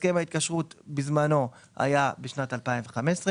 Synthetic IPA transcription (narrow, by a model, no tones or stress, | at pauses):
kemhait̪̚kaʃʁutbizmano̞ha̰jabeʃnatalpaimveχamesʁe